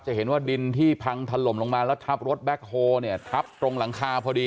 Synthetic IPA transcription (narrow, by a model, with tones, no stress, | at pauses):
k̚t͡ɕa˨˩ɦe˩˦nwaː˥˩di˧nt̪ʰiː˥˩pʰa˧ŋt̪ʰa˧lo˨˩˦mlo˧ŋmaː˧lɛː˦˥wt̪ʰa˦˥p̚ɾo˦˥t̪̚bɛː˦˥k̚hoː˧ni˥˩ɐt̪ʰa˦˥p̚t̪ɾo˧ŋla˩˦ŋkʰaː˧pʰɔː˧diː˧